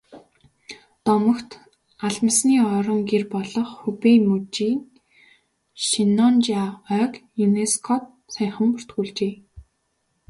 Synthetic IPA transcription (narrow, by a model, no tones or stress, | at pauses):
t̪ɔmɞ̆kt̪ | aɮmə̆sniːɔɾɞ̆ŋɡerpɔɮɞ̆χxupemut͡ɕiːn | ʃinːɔnt͡ɕaœːkjuneskʰɔt̪̚ | sæjχə̆mpʊr̥t̪ɡuːɮt͡ɕeː